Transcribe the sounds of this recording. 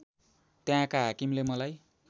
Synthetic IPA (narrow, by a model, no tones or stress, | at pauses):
t̪jãkaɦakimlemʌlaj